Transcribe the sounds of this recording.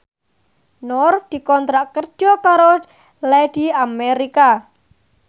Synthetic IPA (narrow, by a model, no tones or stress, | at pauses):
nɔrd̪̥i̤kɔnt̪ɾaʔkərd̥d͡ʒʒ̥ɔkaɾo | lɛd̪̥i̤ameɾika